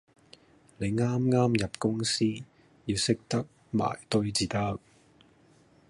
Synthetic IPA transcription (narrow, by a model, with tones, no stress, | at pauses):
le˨˧jŋaː˥mŋaː˥mjɐ˨p̚kʊ˥ŋsiː˥ | jiː˧wsɪ˥k̚t̪ɐ˥k̚ | ma̰ː˨˩jt̪ɵ˥ɥt͡siː˧˩t̪ɐ˥k̚